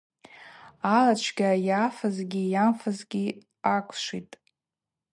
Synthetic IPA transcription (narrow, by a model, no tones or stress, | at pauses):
alat͡ʃʷʰɡʲajafazɡʲijamfazɡʲi | akʷʰʂitʼ